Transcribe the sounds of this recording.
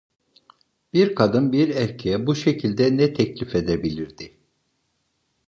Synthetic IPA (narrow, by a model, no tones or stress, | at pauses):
b̥iɾkʰad̪ɯnbiɾɛɾcʰejɛbuʃecʰilʲd̪ɛnɛt̪ʰɛclʲife̞d̪ebilʲiɾd̪ɪ